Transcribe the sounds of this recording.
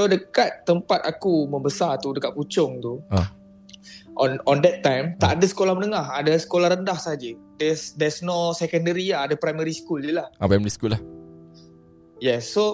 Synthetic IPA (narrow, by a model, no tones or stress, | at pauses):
sodəkat̪ːəmpat̪akumə̃mbəsat̪udəkat̪̚put͡ʃʊŋt̪uã | ʔɔ̃nɔ̃ndɛt̪ːãjmt̪aʔadəsə̥kolahmənəŋaɦadasə̥kolahɾəndahsaɦad͡ʒə | dɛsdɛsnosɛkəndəɾiaadəpɾajməɾiskuldəlahʔapɾajmɛɾiskulah | jɛsːo